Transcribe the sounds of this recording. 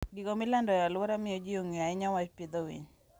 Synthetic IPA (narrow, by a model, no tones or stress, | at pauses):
ɡikɔmɪlandɔjalʊɔɾamɪjod͡ʒioŋiaɪɲawat͡ʃped̪owḭɲ